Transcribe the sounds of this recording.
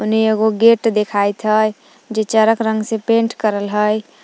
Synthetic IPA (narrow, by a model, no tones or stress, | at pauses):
ʊnɦeeɡoɡeʈd̪ekʰajt̪ɦə | d͡ʒet͡ʃəɾəkɾə̃ŋɡsepẽɳʈkəɾəlɦəj